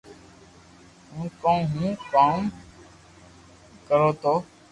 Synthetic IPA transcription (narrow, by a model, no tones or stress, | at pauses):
ɦũːkõːɦũːkaːm | kəɾoːt̪oː